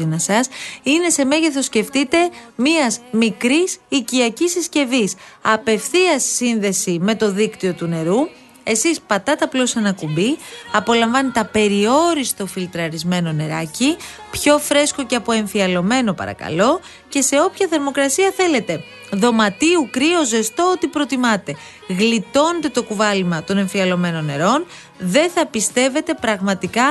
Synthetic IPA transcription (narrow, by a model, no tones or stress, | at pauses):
inɐsɐsine̞se̞me̞ʝeθo̞sce̞ft̪it̪e̞miɐzmikɾisiciɐcisisce̞visɐpe̞fθiɐsːinðe̞sime̞t̪o̞ðikt̪io̞t̪une̞ɾu | e̞sispɐt̪ɐt̪ɐplo̞sɐnɐkumbiɐpo̞lɐɱvɐnit̪ɐpe̞ɾio̞ɾist̪o̞filt̪ɾɐɾizme̞no̞ne̞ɾɐ̰ci | pço̞fɾe̞sko̞ceɐpo̞e̞ɱfiɐlo̞me̞no̞pɐ̰ɾɐ̰kɐ̰lo̞ | ce̞se̞o̞pçɐθe̞ɾmo̞kɾɐsiɐθe̞le̞t̪e̞ | ðo̞mɐt̪iukɾio̞ze̞st̪oot̪ipɾo̞t̪imɐt̪e̞ | ɣlit̪o̞net̪e̞t̪o̞kuvɐlimɐt̪o̞ne̞ɱfiɐlo̞me̞no̞nːe̞ɾo̞n | ðe̞θɐpist̪e̞ve̞t̪e̞pɾɐɣmɐt̪ikɐ